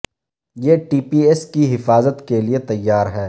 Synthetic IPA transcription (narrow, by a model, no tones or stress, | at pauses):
jeːʈiːpiːɛskiɦɪfaːzət̪keliet̪ɐjːaːɾɦɛː